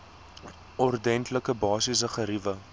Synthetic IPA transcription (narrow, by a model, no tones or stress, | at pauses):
ɔrdɛntləkəbɑːsis̬əχəɾivə